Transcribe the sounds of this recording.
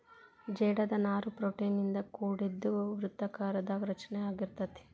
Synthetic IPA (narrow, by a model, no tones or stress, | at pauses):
d͡ʒɛːɽɐd̪ɐnaːɾupɾoːʈejnːind̪ɐkuːɽed̪ːuʋɾut̪ːɐkaːɾɐd̪ɐɾɐt͡ʃɐnɛaːɡiɾt̪ɐt̪e̥